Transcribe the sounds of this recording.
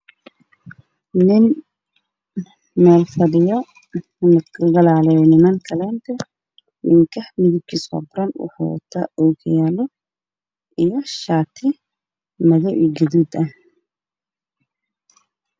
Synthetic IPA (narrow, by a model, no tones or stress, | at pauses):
nɪn | mɛːlfɐɖɪjɔ | nɐkʰɐɡɐlaːlɛjnɪmaŋkʰɐlɛːnt̪ʰɐ | wɪ̰ŋkʰɐhmɪðɪb̚kʰisɔ̰ːbʊɾɐnwɑ̰ħṵw̰t̪ʰɐ̰ʔɔkʰɐjaːlɔ | ʔijɔʃaːt̪ʰɪ | mɐðɔʔɡɪðuːd̪ɐ